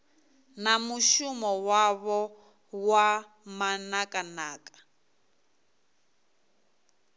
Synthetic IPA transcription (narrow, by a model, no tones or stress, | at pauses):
namuʃumɔwaβɔ | wa | manakʼanaːkʼḁ